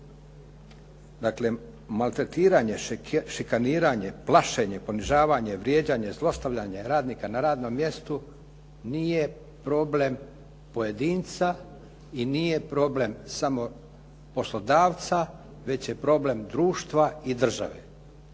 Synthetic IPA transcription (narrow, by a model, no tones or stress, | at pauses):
d̪akle̞ | malˠt̪ɾe̞t̪iːɾaɲe̞ʃikaniːɾaɲe̞plˠaʃeɲe̞po̞niʒaːʋaɲe̞ʋɾjeːd͡ʑaɲezlˠo̞st̪aʋʎaɲeɾaːd̪niːkanaɾaːd̪no̞mːje̞st̪u | niːje̞ | pɾo̞ːble̞m | pojed̪iːnt̪sa | inije̞pɾo̞ːble̞msamo̞ | po̞slo̞d̪aːʋt̪sa | ʋe̞t͡ɕje̞pɾo̞ːble̞md̪ɾuːʃt̪ʋaid̪r̩ʒa̰ʋḛ